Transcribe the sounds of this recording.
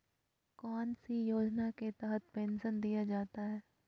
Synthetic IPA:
kɔːnsijoːd͡ʒnaket̪ɛɦət̪̚pẽːnsənd̪ijad͡ʒaːt̪aɦɛː

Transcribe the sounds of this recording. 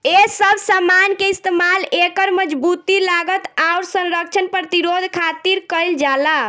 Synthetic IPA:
esəbʱsəmankeist̪emalekəɾməd͡ʒbut̪ilaɡət̪aʊɾsə̃nɾək̚t͡ʃʰənpɾət̪iɾod̪ʱkʰat̪iɾkəjld͡ʒala

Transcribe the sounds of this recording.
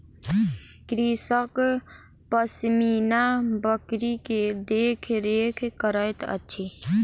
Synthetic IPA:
kɾisək | pəsmiːnabəkɾiked̪eːkʰɾekʰkəɾəjt̪ə̰tːʃʰe

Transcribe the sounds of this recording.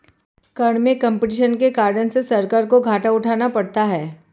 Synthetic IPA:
kɐɳ̃mẽkɐ̃mpɪʈɪʃənkekaːɾɖənsesɐɾkəɾkoɡʱaːʈaʊʈʰaːnapɐɽt̪aɦɛː

